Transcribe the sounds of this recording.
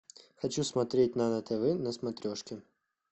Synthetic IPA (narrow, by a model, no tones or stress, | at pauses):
xɐt͡ɕusmɐt̪ɾʲetʲnɐnət̪ɛvɛnəsmɐt̪ɾʲoʂkʲɪ